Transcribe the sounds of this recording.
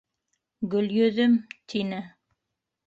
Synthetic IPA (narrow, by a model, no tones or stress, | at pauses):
ɡɵ̆ljɵ̆ðɵmt̪ʰinɘ